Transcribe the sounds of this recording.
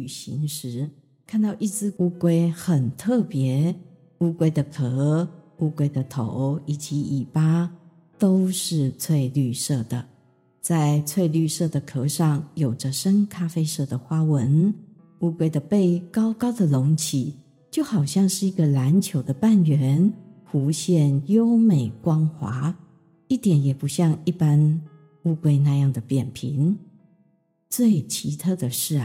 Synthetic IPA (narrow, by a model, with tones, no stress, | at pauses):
y˨˩ɕḭ˧˥ŋʂɻ̩˧˥ | kʰa˥˧nt̪ɑ˥˧ʊʔi˥˩t͡sɹ̩˥u˥kwe˥ɪxə˨˩nt̪ʰɤ˥˩pjɛ˧˥ | u˥kwe˥ɪd̪ə˨kʰɤ˧˥ | u˥kwe˥ɪd̪ə˨t̪ʰo˧˥ʊi˨˩t͡ɕi˧˥i˨˩pa˥ | t̪o˥ʊʂɻ̩˥˧t͡sʰwe˥˧ɪly˥˧ʂɤ˥˩d̪ə˩ | t͡sa˥˧ɪt͡sʰwe˥˧ɪly˥˧ʂɤ˥˩d̪ə˩kʰɤ˧˥ʂɑ˥˩ŋjo˨˩ʊʈ͡ʂə˦ʂə˥nkʰa˥fe˥ɪʂɤ˥˩d̪ə˩xwa˥wə˧˥n | u˥˧kwe˥ɪd̪ə˨pe˥˩ɪkɑ˥ʊkɑ˥ʊd̪ə˨lʊ˧˥ŋt͡ɕʰi˨˩˦ | t͡ɕjo˥˩ʊxɑ˨˩ʊɕjɑ˥˧ŋʂɻ̩˥˩i˧˥ɡə˧la˧˦nt͡ɕʰjo˧˥ʊd̪ə˧pa˥˩nɥɛ˧˥˦nxu˧˥ɕjɛ˥˩njo˥ʊme˨˩ɪkwɑ˥ŋxwa̰˧˥˦ | i˥˩t̪jɛ˨˦njɛ˨˩pu˧˥ɕjɑ˥˧ŋi˥˩pa˥n | u˥˩kwe˥ɪna˥˧jɑ˥˩ŋd̪ə˩pjɛ˨˩npʰi˧˥˦n | t͡swe˥˩ɪt͡ɕʰi˧˥t̪ʰɤ˥˩d̪ə˩ʂɻ̩˥˩